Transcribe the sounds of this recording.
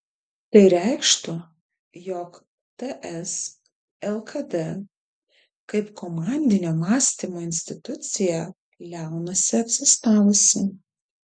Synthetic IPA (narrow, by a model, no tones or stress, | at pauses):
t̪ɐɪɾʲæɪkʃt̪ʊ | jɔk | t̪ɛʔɛs | ɛlˠkʰɐd̪ɛ | kɐɪpkɔmɑˑnʲd̪ʲɪnʲoːmɑːsʲt̪ʲimoːɪnʲsʲt̪ʲɪt̪ʊt̪sʲɪjɛ | lʲæˑʊnɐsʲɪɐp̪ʲsʲɪst̪ɑːʋʊsʲɪ